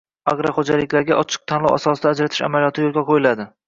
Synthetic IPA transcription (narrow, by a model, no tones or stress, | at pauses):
aɡɾaχod͡ʒalɪkʲlaɾɡʲaʔɒt͡ʃʰɨ̥q̚t̪ʰanlˠɒ̰wʔasɒsɪd̪aːd͡ʒɾat̪ʰɪʃa̰malijɒt̪ʰɪjolˠɡʲaqʰojɪlad̪ɪ